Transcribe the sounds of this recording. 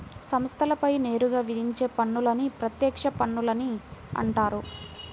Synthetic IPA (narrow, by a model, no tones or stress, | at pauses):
sɐmst̪ʰɐlɐpɐjne̞ːɾuɡaːʋid̪ʱiɲt͡ʃe̞ːpɐɳːulɐnipɾɐt̪jɛːkʂɐpɐɳːulɐniɐ̰ɳʈaːɾu